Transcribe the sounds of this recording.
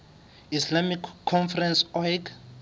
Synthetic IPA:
islamikʰːɔnfɛrɛnsɔjk

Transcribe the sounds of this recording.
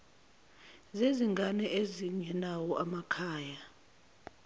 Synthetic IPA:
zeziŋɡʱanɛʔeziɲɛnawɔʔamakʰaːja

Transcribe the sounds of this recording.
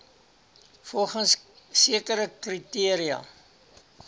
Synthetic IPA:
fɔlˠχəns | siəkəɾəkritiəɾiɐ̰

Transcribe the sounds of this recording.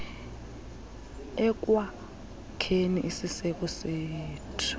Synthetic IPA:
ɛk̬wa | kʰeniʔisisɛk̬ɔseːtʰu̥

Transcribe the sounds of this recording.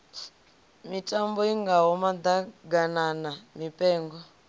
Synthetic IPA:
mitʼambɔiŋɡaɦɔmad̪aɡananamipʼɛːŋɡɔ

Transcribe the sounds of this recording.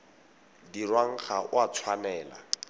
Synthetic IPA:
dirwaŋ̩χaʔʊ̰at͡sʰwanɛːla̰

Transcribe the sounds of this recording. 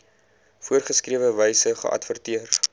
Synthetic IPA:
fuərχəskriəvəvəjsəχə̰ʔɐ̰tfərtiər

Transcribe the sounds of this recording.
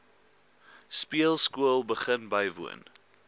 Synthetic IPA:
spiəlˠskuəlˠbəχənbəjvṵən

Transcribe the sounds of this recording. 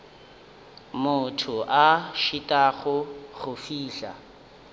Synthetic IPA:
mʊtʰʊʔaʃitʼaɣʊχʊfiːɬa̰

